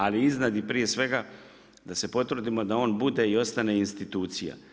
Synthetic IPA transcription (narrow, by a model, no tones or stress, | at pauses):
aliiznad̪ipɾije̞sʋe̞ɡa | d̪ase̞po̞t̪ʋɾ̩d̪imo̞d̪ao̞ːnbud̪e̞io̞st̪ane̞inst̪it̪uːt̪sija̰